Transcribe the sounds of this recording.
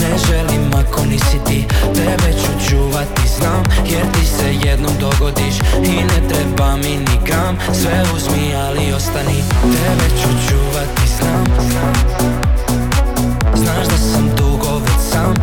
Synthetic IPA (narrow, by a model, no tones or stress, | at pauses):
neʒelimːakonisit̪ip̪ɾeʋɛt͡ɕut͡ʃuːʋat̪iznaːmjeɾt̪isejed̪nomd̪o̞ɡod̪iʃinet̪ɾebaminikam | sʋeuzmi | alio̞st̪anip̪ɾeʋet͡ɕut͡ʃuːʋat̪iznaːmzaːm | znaːʒd̪asamd̪uɡoʋesaːm